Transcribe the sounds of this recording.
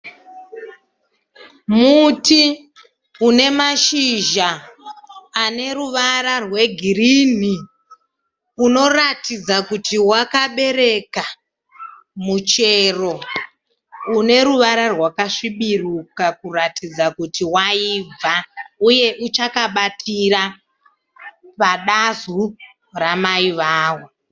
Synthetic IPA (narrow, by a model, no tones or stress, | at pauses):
muti | une̞maʃiʒaː | ne̞ruʋaɾarwe̞ɡʱirin̤i | uno̞ratid͡zakutiwakaɓe̞ɾe̞ka | mut͡ʃe̞ro̞ | une̞ɾuʋaɾarwakaʂiɓirukakuratʰid͡zakutiwaib͡vauje̞ʔut͡ʃakaɓatʰiɾa | paɗazu | ramaiʋaːwo